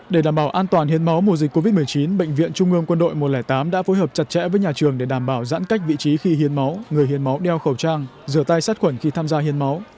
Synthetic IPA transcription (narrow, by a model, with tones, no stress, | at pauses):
ɗe˧˩ɗaː˧˩mɓaː˧˩wʔaː˧nt̪waː˨˩nhi˧˩ənma˨˦wmo˨˧˩zï˨˩k̟kːo˧vi˦˥t̚mɨ˨˩əjt͡ɕi˨˦nɓə̰˧˨jŋ̟vḭ˧˨ənt͡ɕʊ˧ŋ͡mʔɨ˧əŋkwə˧nɗo̰˧˨jmo˨˩t̚lɛː˧˩jt̪aː˨˦mɗa̰ː˧˥fo˨˦jɦəː˨˩p̚t͡ɕa˨˩t̚t͡ɕɛ̰˧˥vəː˨˦jɲaː˨˩t͡ɕɨ˨˩əŋɗe˧˩ɗaː˧˩mɓaː˧˩wza̰ː˧˥nka˦˥jk̚vḭ˧˨t͡ɕi˨˦xi˧ɦi˧ənma˨˦wŋɨ˨˩əjhi˧ənma˨˦wɗɛ˧wxə˧˩wt͡ɕaː˧ŋzɨ˧˩ət̪a˧jsaː˦˥t̚xwə˧˩nxi˧t̪ʰaː˧mzaː˧hi˧ənma˨˦w